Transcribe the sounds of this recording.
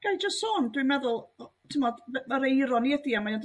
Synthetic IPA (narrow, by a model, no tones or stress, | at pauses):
ɡ̥ajd͡ʒəstsoːndwimɛðʊlˠtʰɪmɔdməɾejɾɔniɛdiamanad